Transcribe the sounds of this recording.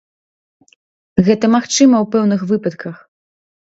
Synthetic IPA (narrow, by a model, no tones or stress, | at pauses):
ɣɛt̪ɐmaxt͡ʂɨmɐwpɛwnɨxvɨpɐt̪kʰɐx